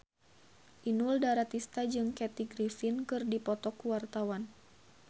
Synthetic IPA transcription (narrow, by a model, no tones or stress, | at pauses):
ʔinuldaɾat̪ist̪ad͡ʒɨŋkɛt̪iɡɾifinkɨrdipɔt̪ɔkuwart̪awan